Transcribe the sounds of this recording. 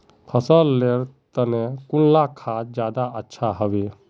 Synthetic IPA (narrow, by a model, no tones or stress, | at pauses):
kʰəsəlleɾt̪ənẽkʊnlakʰaːt̪d͡ʒjaːd̪aətːʃʰaɦəʋe